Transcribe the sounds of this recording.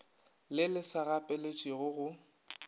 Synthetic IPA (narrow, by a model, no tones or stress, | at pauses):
lɪlɪsaɣapʼɛlet͡ʃʼiɣʊɣʊ